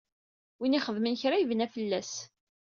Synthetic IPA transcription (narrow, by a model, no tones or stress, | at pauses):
winiχəðmənçɾaivənæfəlːæs